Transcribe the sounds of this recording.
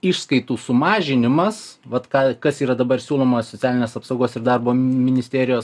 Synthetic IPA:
ɪʃskɐɪt̪uːsʊmɑːʒʲɪnʲɪmɐsʋɐt̪kɑːkɐsiːɾɐd̪ɐbɐɾsʲuːlˠoːmosʲot̪sʲæːlʲɪnʲeːsɐpsɐʊɡoːsɪrd̪ɑrboːmʲɪnʲɪsʲt̪ʲeːɾʲɪjoːs

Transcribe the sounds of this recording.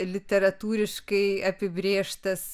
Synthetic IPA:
lʲɪt̪ʲɛɾɐt̪uːɾʲɪʃkɐɪɐpʲɪbʲɾʲeːʃt̪ɐs

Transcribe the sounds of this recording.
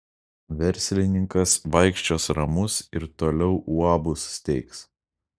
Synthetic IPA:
ʋʲɛɾʲsʲlʲɪnʲɪŋkɐsʋɐɪkʃʲt͡ʃʲoːsɾɐmʊsɪɾt̪oːlʲɛʊʔuɑbʊsːʲt̪ʲɛɪks

